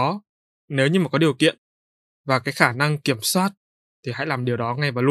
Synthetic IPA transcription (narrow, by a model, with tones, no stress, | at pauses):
ɔ˨˦ | ne˨˦wɲɨ˧maː˨˩kɔ˨˦ɗi˨˩əwkḭ˧˨ən | vaː˨˩kaː˨˦jxaː˧˩na˧ŋki˧˩əmswaː˦˥t̚ | t̪ʰi˨˩ha̰˧˥˨jlaː˨˩mɗi˨˩əwɗɔ˨˦ŋa˧jvaː˨˩l